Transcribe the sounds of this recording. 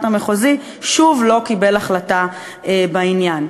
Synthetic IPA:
tameχozi | ʃuvlo̞kibe̞laχlata | ebainjan

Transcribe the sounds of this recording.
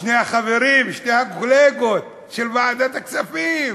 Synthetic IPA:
ʃnejhaχave̞ʁimʃnejhaɡoleɡo̞t̪̚ | ʃelvaːd̪at̪akt͡safim

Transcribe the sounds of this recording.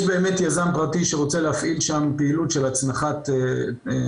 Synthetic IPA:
jʃbe̞ːmetjazampʁatiʃeʁo̞t͡seleafʔilʃampeilutʃelat͡snaχat̪e

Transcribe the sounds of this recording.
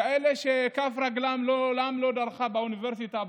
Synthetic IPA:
aʔeleʃekafɾaɡlamlolamlod̪aɾχabauniveɾsit̪a

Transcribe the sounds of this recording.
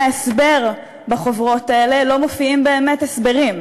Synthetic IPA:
esbe̞ʁ | baχovʁo̞taele̞lo̞mofiimbe̞ːme̞tesbe̞ʁim

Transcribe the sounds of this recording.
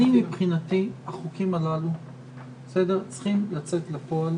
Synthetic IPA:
imipχinatiaχukimalalu | sede̞t͡sχimlat͡set̪lepo̞al

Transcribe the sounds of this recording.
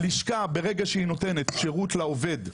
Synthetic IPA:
liʃkabe̞ʁeɡaʃeino̞te̞net̪ʃeʁutlaove̞d

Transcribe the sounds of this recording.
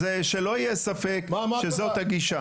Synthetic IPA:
eʃelo̞ijesafekʃezo̞t̪haɡiʃa

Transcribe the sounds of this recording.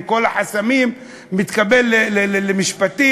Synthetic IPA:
kolaħasamiːmː | ɪt̪kabelːeelemɪʃpat̪iː

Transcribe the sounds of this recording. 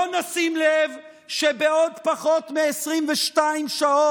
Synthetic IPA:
onasimlev | ʃebeo̞d̪paχo̞tmeesʁimveʃtaimʃao

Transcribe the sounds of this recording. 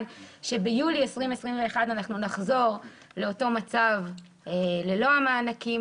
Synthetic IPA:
nʃe̞bejuliesʁime̞sʁimveːχadanaχnunaχzo̞ʁ | le̞o̞to̞mat͡sav | elelo̞amaːnaki

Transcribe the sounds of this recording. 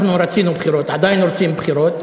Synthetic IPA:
χnuɾat͡sinubχiɾot̪ʕad̪ajnʊɾt͡simbχiɾot̪

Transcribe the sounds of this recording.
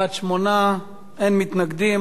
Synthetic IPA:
at̪ʃmona | ʔenmit̪naɡd̪im

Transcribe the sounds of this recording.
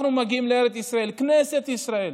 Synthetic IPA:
numaɡimlɛɾɛd̪isɾaɛlknɛsɛt̪isɾaɛl

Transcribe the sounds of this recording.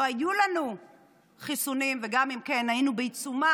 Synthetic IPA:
ajulanu | χisunimveɡamimke̞nainubeit͡suma

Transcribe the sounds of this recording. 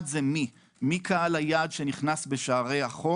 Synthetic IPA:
dzemi | mikʰaalajaːdʃe̞niχnasbe̞ʃaːʁe̞jaχo

